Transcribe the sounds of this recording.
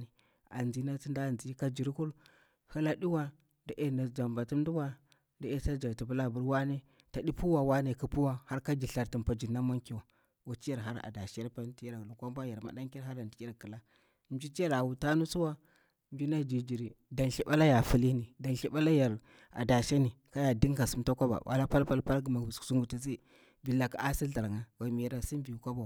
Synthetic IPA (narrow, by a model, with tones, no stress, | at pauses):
ni˨ | a̰˨nd͡zi˦na˦ti˦nda˦˨nd͡zi˦ka˦d͡ʒi˨ɾi˦ku˦l | hə˦la˦di˦wa˦ | da˨ʔe˦na˨d͡za˨mba˨tu˦m˦du˦wa˦ | da˨e˦sa˦d͡ʒa˨ti˨bu˦la˦˨bu˦ɾwa˦ne˦ | ta˨di˦pu˦wa˨wa˦ne˨ku˦pu˦wa˦ha˦ɾka˦ɡi˨ɬa˨ɾti˨npa˨d͡ʒi˨nːa˦ma˦ŋki˨wa˨ | wa˨ti˦ja˨ɾɦa˦ɾa̰˨da˨ʃi˦a˦ɾpa˦n˦ti˦ja˦ɾa˨lu˨kʷa˦mba˦ja˨ɾma̰˨da˦ŋki˦ɾɦa˦ɾa˨ndi˨˦ja˦ɾkə˨la˦ | md͡ʒi˦ti˦ja˦ɾa˨wu˨ta˦nu˦su˦wa˦ | m˦d͡ʒi˦na˦d͡ʒi˨d͡ʒi˨ɾi˨da˨nɬi˦ɓa˦la˦ja˨fu˦li˦ni˨da˨nɬi˦ɓa˦la˦ja˨ɾ | a̰˨da˨ʃa˦ni˨ka˦ja˨di˦ŋɡa˨su˦mta˦kʷa˦ba̰˨ba̰˦la˦pa˦lpa˦lpa˦lɡi˨ma˨ssu˦ŋɡu˨ta˦s̬i˦ | vi˨la˨ka˨a˦si˦ɬa˨ɾŋa˦wa˨mi˨˦ɾa˦si˦m˦vi˨u˨kʷa˦ba˨wa˨